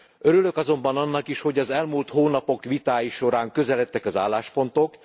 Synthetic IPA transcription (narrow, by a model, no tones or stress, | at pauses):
øɾylø̞kɒzo̞mbɒnɒnːɒkiʃho̞ɟɒzɛlmult̪hoːnɒpo̞kʋit̪aːjiʃo̞ɾaːŋkø̞zɛlɛt̪ːɛkɒzaːlːaːʃpo̞nt̪o̞k